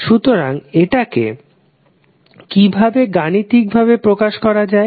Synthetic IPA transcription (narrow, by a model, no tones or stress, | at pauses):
ʃut̪oɾaŋeʈakḛ | kibʱabeɡanit̪ik̚bʱabepɾokaʃkɔɾad͡ʑae